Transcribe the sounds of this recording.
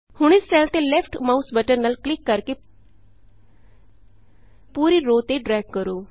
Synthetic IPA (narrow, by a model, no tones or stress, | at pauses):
hʊɳ̃ɪssɛlt̪eːlɛpʰʈmausbəʈəɾnəlklɪkːəɾke | puːɾiːɾoːt̪eːɖɾɛːɡkəɾoː